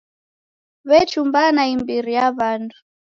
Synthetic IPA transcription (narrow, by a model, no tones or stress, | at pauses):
βɛt͡ʃumbanaimbiɾijaβandʰu̥